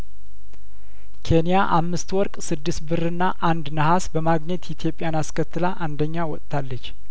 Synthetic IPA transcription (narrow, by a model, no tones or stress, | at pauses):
kʰe̞nijaʔamːɨst̪wɔɾkʼsɨd̪ːɨst̪bɨrɨnːaʔand̪nəhasbəmaɡɲɛt̪jɪt̪ʰjo̞pʼjanaskʰət̪ːɨlaʔand̪əɲːawɔt̪ʼt̪ʰalːət͡ʃː